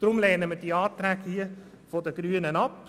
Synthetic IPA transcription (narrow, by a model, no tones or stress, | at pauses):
d̥ɾʊmlɛːnəməd̥iɑːt̪ɾæːɡhiːə | fɔdəɡ̥ɾyːənənɑp